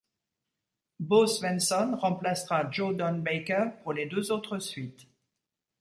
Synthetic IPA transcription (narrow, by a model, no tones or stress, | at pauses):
bosvɛ̃nsɔnʁɑ̃plasʁad͡ʒod̪ɔnbɛjkɛʁpuʁled̪øzot̪χəsɥit̪